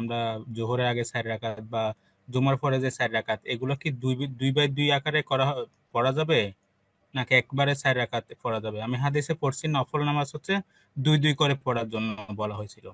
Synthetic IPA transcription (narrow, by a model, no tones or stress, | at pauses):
amɾad͡ʑoɦoɾeɾaɡesajɾɾakat̪̚ba | d͡ʑomaɾpʰɔɾed͡ʑesajɾɾakat̪eɡulakiud̪ujbajd̪ujakaɾekɔɾaɦ | pɔɽad͡ʑabe | nakeɛkbaɾesajɾɾakat̪pɔɽad͡ʑabeamiɦad̪iʃepoɾsʰinɔfʰolnamasɦot̪ːʃʰe | d̪ujd̪ujkɔɾepɔɽaɾd͡ʑonːoobɔlaɦojt͡ɕʰilo